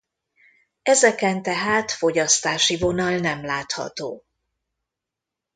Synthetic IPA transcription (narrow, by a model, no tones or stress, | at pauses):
ɛzɛkɛnt̪ɛɦaːt̪fo̞ɟɒst̪aːʃivo̞nɒlnɛmlaːt̪hɒ̰t̪oː